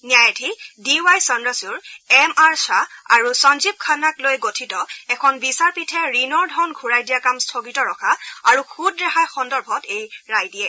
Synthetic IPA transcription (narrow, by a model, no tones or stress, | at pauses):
nijajatʰidiwajsɔnɹasuɹɛmaɹsaa̰ɹusɔnzib̚kʰanaklojɡotʰitɔɛkʰɔnbisaɹpitʰɛɹinɔɹdʱɔnɡʱuɹajdijakamstʰoɡitɔɹɔkʰaaɹuxʰudɹɛxajxɔndɔɹbʱɔtejɹajdiɛ